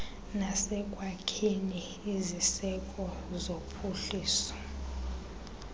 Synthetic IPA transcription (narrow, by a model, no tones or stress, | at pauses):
nasɛkʼwakʰiniː | zisɛkʼɔzopʰuɬiːsɔ̥